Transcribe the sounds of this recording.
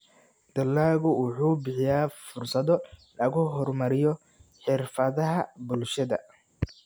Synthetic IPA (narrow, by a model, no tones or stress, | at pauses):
d̪̥ɐlːaːɣʊwʊħuːbɪħɪjaːfʊrsɐðɔlɐɣʊɦɔrmɐɾɪjɔ | ħɪrfɐðɐɦɐbʊlʃɐðɐ̰